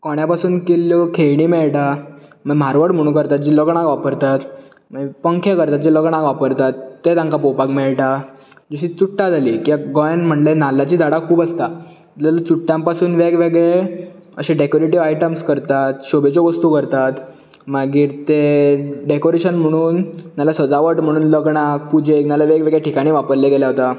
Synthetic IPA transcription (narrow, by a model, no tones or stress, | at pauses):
kɔɳ̃japasuːnkelːjokʰejɽiːmeɭʈaməɡm̤aɾʋəɽm̤əɽ̃ũːkəɾt̪at̪̚d͡ʑiːləɡɳ̃ãkʋapəɾt̪at̪ | məpəŋkʰẽkəɾt̪at̪̚d͡ʑiləɡɳ̃ãkʋapəɾt̪at̪ːet̪ãŋkapopakmeɭʈa | d͡ʑiɕiːt͡suʈːad͡zʱaliːkiaɡɔjanm̤əɳlenalːat͡ɕiːd͡z̪ʱaɽakʰuːbəst̪a | t̪lalət͡suʈːjãmpasuːnʋeɡʋeɡɭe | ə̰ɕẽɖekoɾeʈiʋajʈəmskəɾt̪at̪ɕobet͡ɕɔʋəst̪ukəɾt̪at̪ | maɡiːɾt̪eɖekoɾeɕənm̤əɽ̃uːnnalasəd͡zaʋəʈm̤əɽ̃uːnləɡɳak̚pud͡ʑʱeknalaʋeɡʋeɡɭeʈikaɽ̃iːʋapəɾlekeljaɦot̪a